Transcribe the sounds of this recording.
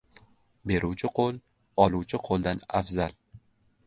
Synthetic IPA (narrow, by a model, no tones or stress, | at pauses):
be̞ɾʔuwt͡ʃʰɪqʰolˠ | ɒluwt͡ʃʰɪqʰolˠd̪ana̰fzal